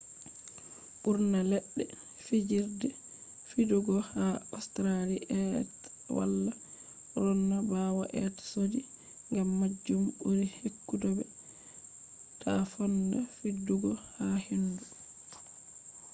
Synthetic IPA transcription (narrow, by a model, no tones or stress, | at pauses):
ɓuɾnalɛɗːɛ | fid͡ʒiɾdɛ | fiduɡɔhaɔstɾaliʔɛt | wa̰lːa | ɾɔnːabawaʔɛtsodi | ŋɡamːad͡ʒːumuɾihekːudɔbɛ | tʰafɔnda̰fiduɡɔhahendu